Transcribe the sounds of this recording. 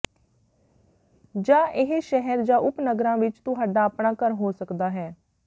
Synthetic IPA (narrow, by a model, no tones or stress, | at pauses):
d͡ʒãːʔɪɦʃɛɦɛɾd͡ʒãːʊpnəɡɾãːʋɪt͡ʃt̪ʊɦaːɖaːəpnaːkəɾɦoːsəkd̪aːɦɛː